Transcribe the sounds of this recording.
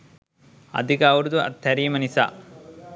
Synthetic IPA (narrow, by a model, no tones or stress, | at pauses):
ɐ̰d̪ʱikaːʋɐɾud̪uɐ̰t̪ʰːɐɾiːmɐnisa̰